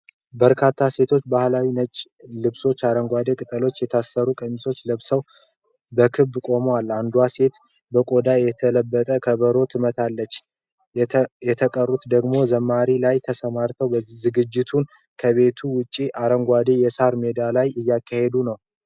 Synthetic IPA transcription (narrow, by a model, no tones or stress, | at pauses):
bəɾkʰat̪ʰːase̞t̪ʰo̞t͡ʃːbahlawinət͡ʃʼ | lɨβso̞t͡ʃːaɾəŋɡʷad̪e̞kʼɨt̪ʼəlo̞t͡ʃːjɛt̪ʰasːəɾukʼəmːso̞t͡ʃːlɨβsəw | bəkʰɨbːkʼo̞mwalːand̪wase̞t̪ | bəkʼo̞d̪ajɛt̪ʰələbːət̪ʼəkʰəβəɾo̞t̪ʰɨmət̪ʰalːət͡ʃː | jɛt̪ʰəkʼərut̪d̪əɡmo̞zəmːaɾilajt̪ʰəsəmaɾt̪ʰəwbəzɨɡɨd͡ʒːɪt̪ʰun | kʰəβe̞t̪ʰuwʊt͡ʃʼːiʔaɾəŋɡʷad̪e̞jɛsaɾme̞d̪alajɨjːakʰːahe̞d̪unəw